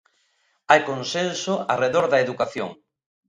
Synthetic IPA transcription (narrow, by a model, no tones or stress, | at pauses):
ajkonsensʊareðoɾðɐeðukaθjo̰ŋ